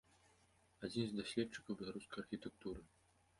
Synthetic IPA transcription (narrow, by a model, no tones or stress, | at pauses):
ad͡zʲinzd̪asʲlʲɛt̪t͡ʂɨ̥kɐwbʲɛlˠaɾuskɐjɐrxʲit̪ɛk̚t̪uɾɨ